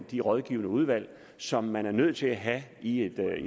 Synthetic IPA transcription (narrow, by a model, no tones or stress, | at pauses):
nd̥iʁɒð̞ˠɡ̥ḭːʊnəuð̞ˠʋæl̰ | sɒ̽mːænæɐnøð̞̰ˠt͡sʰe̝læɦæie̝d̥